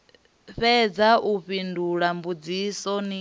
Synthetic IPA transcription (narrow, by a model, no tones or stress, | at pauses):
ɸɛd͡zaʔuɸinduɺambud͡zisɔni